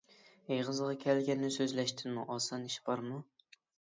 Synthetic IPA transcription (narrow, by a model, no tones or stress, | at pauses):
ejʁɨzʁɑkʲʰɛlɡʲɛnːɪsøzlɛʃt̪ʰɪnmuʔɑːsɑniʃbɑɾmu